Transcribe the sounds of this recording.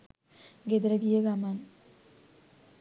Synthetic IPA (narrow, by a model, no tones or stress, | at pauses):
ɡed̪ɾɐɡijəɡaman